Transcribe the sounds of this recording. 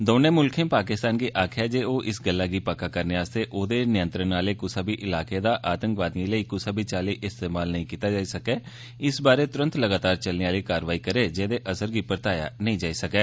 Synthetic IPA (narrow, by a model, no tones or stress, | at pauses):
d̪oːnẽːmʊlkʰẽːpaːkɪst̪aːnɡiːʔaːkʰjaːd͡ʒeːoːʔɪsɡəlːaːɡiːpakːaːkəɾneːaːst̪eːʔoːd̪eːnɪjə̃nt̪ɾənːaːleːkʊsaːbiːʔɪlaːkeːd̪aːʔaːt̪ə̃ŋkʋaːd̪iĩːləiːkʊsaːbiːt͡ʃaːliːʔɪst̪eːmaːlnəɦĩːkiːt̪aːd͡ʒaːisəkɛː | ɪsbaːɾeːt̪ʊɾə̃nt̪ləɡaːt̪aːɾt͡ʃəlniːaːliːkaːɾəʋaːiːkəɾeːd͡ʒeːd̪eːʔəsəɾɡiːpəɾt̪aːja̰ːnəĩːd͡ʒaːiːsəkɛː